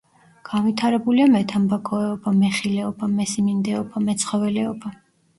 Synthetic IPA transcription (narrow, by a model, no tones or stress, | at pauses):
ɡ̥anvit̪ʰaɾɛbuliamɛt̪ʰambakʰɔɛɔbamɛχilɛɔbamɛsimind̪ɛɔbamɛt̪sʰχɔvɛlɛɔba